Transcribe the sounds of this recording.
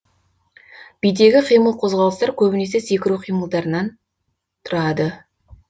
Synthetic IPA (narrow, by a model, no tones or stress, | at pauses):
b̥ijd̪e̞ɡʲɪqʰijməlˠqʰo̞zʁɑlˠəst̪ɑɾkʲʰɵbɪne̞se̞sekʲɪɾuqʰijməlˠd̪ɑɾənɑn | t̪ʰʊɾɑd̪ə